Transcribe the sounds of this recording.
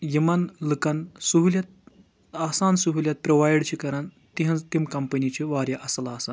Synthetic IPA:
jimanlɨkansuɦuljat̪̚ | asansuɦuljat̪̚pɾoʋajɽt͡ɕikɐɾan | t̪iɦãt̪imkɐmpənit͡ɕeʋaɾjaʔɐslaːsa

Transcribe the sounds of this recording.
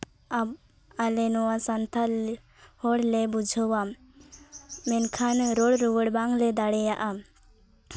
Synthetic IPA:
ab | alɛnɔwasant̪ʰal | hɔɽlɛbud͡ʒʱɔwam | ɛnkʰanɾɔɽɾuwəɽbaŋlɛd̪aɽɛjaʔam

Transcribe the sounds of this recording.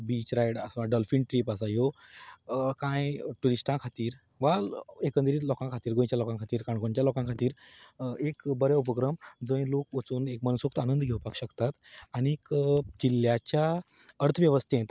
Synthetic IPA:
bit͡ɕɾajɽəsaɖɔlfiɳʈɾiːpas̬ajo | kãjʈuɾisʈãkʰat̪iːɾ | ʋalekə̃nd̪ɾiːt̪lɔkãkʰat̪iːɾɡõj̃t͡ɕjalɔkãŋkʰat̪iːɾkaɳɡoɳt͡ɕjalɔkãŋkʰat̪iːɾekbəɾjɛup̬əkɾəmd͡zə̃jlok̚ʋət͡suːnekmənusuk̚t̪anənd̪ɡʱewpakɕəkt̪at̪anikd͡ʑilːjat͡ɕjaəɾt̪ʰəʋjeʋəst̪ʰẽt̪

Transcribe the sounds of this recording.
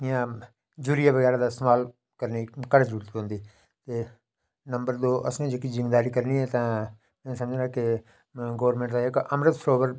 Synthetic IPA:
ɪjãː | d͡ʒuːɾɪjaːʋəɡɛːɾaːd̪aːst̪maːl | kəɾniːkəɾzəɾuːɾət̪ɦõːnd̪iː | t̪eː | nəmbəɾd̪oːʔə̰snẽːd͡ʒekid͡ʒɪmd̪aːɾiːkəɾniːɛːt̪ãː | mɛ̃ːsəmd͡ʒɾaːkɪ | ɡoːəɾmẽɳʈd̪aːɪkəmɾət̪sɾoːʋəɾ

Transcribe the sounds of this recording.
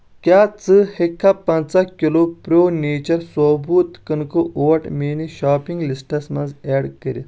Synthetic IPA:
kʲaːt͡sɨhekʰːapɐnt͡sakʲilopɾoːneːt͡ɕɐɾsoːbuːt̪kɐnkoʔoːɐʈmeːniɕaːpiŋɡlisʈɐsmɐnzɛːɖkəɾi

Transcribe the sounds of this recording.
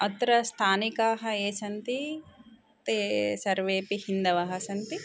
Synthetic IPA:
ɐt̪ɾɐst̪ʰaːnikaːɦɐeːsɐnt̪i | t̪esɐɾʋeːpihind̪ɐʋaːɦɐsɐnt̪i

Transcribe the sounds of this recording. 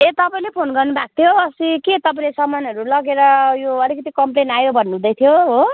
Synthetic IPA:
et̪ʌpaĩlepʰonɡʌrnubak̚t̪ʰjoʌsikit̪ʌpaĩlesʌmːʌnʌɾulʌɡeɾʌjoʌlikʌt̪ikʌmplenajobʱʌnːɦũd̪ʌjt̪ʰjoɦo

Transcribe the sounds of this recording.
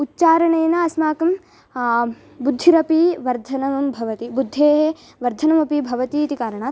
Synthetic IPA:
utːt͡ʃaːɾɐɳeːnaɐsmaːkɐm | bud̪ʱːiɾɐpiʋɐɾd̪ʱɐnɐmɐmbʱɐʋɐt̪ibud̪ʱːeːɦe | ʋɐɾd̪ʱɐnɐmɐpibʱɐʋɐt̪it̪ikaːɾɐɳaː

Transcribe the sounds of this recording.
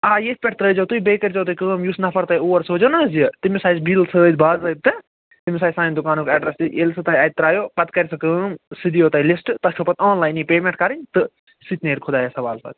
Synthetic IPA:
aːjespʲeʈʰt̪ɾəːd͡ʒoːt̪uibeːkɐɾʲd͡ʒoːt̪uikəːmjusnɐpʰɐɾt̪ɐjuːɐɾsoːd͡ʒonaːziɐt̪imisaːbilsəːd͡ʒbaːzɾɐt̪̚t̪ːɨ | t̪imʲsaːsaːd̪ʊkaːnoːkɛːɖɾɐsiʔelsɨt̪aːjaːt̪ɾaːjoːpɐt̪kɐɾʲsɨkəːmsid̪ijoːt̪ɐːilisʈt̪ɐskʰopɐt̪ʰoːnlaːjnipeːmẽɳʈ̚kɐɾiɲt̪ɨ | sit̪neːʈkʰod̪aːjɐsɐʋaːlsa̰ːt̪

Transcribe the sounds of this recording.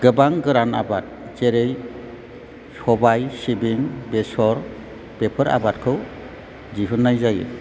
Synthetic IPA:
ɡ̥ɯbaŋɡɯɾana̰bat̚t͡ʃeɾej | sɔbajsibiŋbesɔɾ | pepʰɯɾa̰bat̚kʰɯw | d͡ʒiɦunːajzajɯ̰

